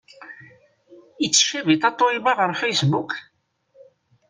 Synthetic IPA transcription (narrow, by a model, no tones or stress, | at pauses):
it͡sːə̥ʃævit̪ˤɑt̪ˤːoibɑʁəɾfejsbuk